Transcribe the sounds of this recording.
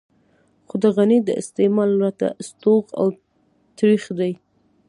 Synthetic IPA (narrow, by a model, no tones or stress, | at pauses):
xod̪əɣanid̪ə̰ɪ̰st̪emɑlwɾat̪a̰st̪oɣa̰w | t̪ɾixd̪aj